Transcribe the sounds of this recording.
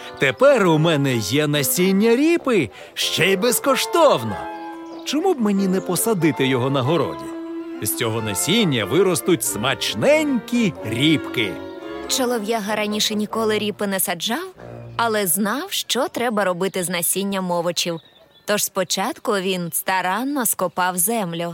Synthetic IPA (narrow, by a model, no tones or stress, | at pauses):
t̪epɛrʊmɛnɛjɛnɐsʲinʲːɐɾʲipɪ | ʃt͡ʃɛjbɛskɔʃt̪ɔwnɐ̰ | t͡ʃɔmubmenʲinɛpɔsɐd̪ɪt̪ɪjɔɦɔnɐɦɔɾɔ̰dʲiz̥ʲt͡sʲɔɦɔnɐsʲinʲːɐʋɪɾɔst̪ʊtʲsmɐt͡ʃnɛnʲkʲiɾʲipkɪ̰ | t͡ʃɔlˠɔwjaɦɐɾɐnʲiʃɛnʲikɔlˠɪɾʲipɪnɛsɐd͡ʒɑwɐlˠɛznɑwʃt͡ʃɔt̪ɾɛbɐɾɔbɪt̪ɪznɐsʲinʲːɐmɔʋɔt͡ʃiw | t̪ɔʒspɔt͡ʃɑt̪kʊʋʲinst̪ɐɾɑnːɔskʊpɑwzɛmlʲʊ